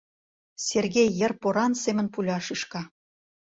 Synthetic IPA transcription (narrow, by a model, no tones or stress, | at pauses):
serɣejːərpoɾɑnsemə̆npulʲɑʃiʃkɑ